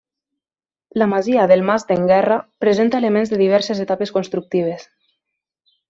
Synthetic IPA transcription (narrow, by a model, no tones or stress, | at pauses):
lamaziaðelˠmazd̪eŋɡɛrapɾezent̪aelemẽnzðeðiβ̞ɛɾsezet̪apeskonst̪ɾuk̚t̪iβ̞es